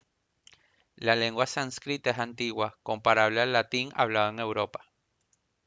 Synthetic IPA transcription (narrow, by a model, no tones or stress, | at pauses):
laleŋɡwasanskɾit̪aeɦant̪iwakompaɾaβlealːat̪iŋa̰βlaðoeŋewɾopḁ